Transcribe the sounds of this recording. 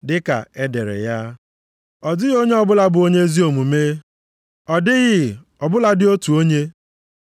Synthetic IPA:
dɪ˦ka̰˨e˦dḛ˨ɾḛ˨ja˦ | ɔ˨dɪ˦ɣo˦ɲe˦ɔ˦bʊ˦la˦bʊ˨o˦ɲe˦zi˦o˨mu˨meː˦ | ɔ˨dɪ˦ɣɪ˦ | ɔ˨bʊ˦la˦dɪ˦o˦tu˨o˦ɲe˦

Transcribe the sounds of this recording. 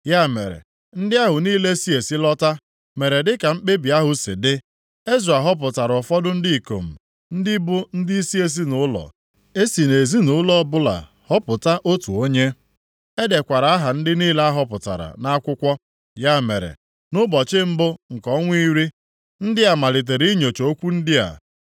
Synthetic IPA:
ja˦mḛ˨ɾḛ˨ | n̩˦dɪ˦a˦ɦʊ˨niː˦le˦si˦e˨si˦lɔ˦ta˦ | me˨ɾe˨dɪ˦ka˨m̩˦k͡pe˦bi˨a˦ɦʊ˨sḭ˨dɪ˦ | e˦zu˨a˨ɦɔ˦p̬ʊ˨ta˨ɾɔ˨fɔ˦dʊ˦n̩˦di˦i˨ko̰˨m̩˨ | n̩˦dɪ˦bʊ˦n̩˦dɪ˦i˦si˦e˦s̬i˦nʊ˨˦lɔ̰˨ | e˦si˨ne˨zi˦nʊ˨˦lɔ˦bʊ˦la̰˨ | hɔ˦pʊ˨ta˦ʔo˦tu˨o˦ɲe˦ | e˦de˨kʷa˨ɾa˨˦a˦ɦa˨n̩˦dɪ˦niː˦la˦a˦ɦɔ˦pʊ˨ta̰˨ɾa̰˨na˦kʷʊ˦kʷɔ˦ | ja˦mḛ˨ɾḛ˨ | nʊ˦bɔ˨t͡ʃɪ˦m̩˦bʊ˦ŋ̩˨kɔ˦ŋʷ˦i˦ɾi˦ | n̩˦dɪ˦a˨ma˨lɪ˨t̬e˨ɾi˦ɲo˨t͡ʃo˨o˦kʷu˦n̩˦dɪ˦a̰˨

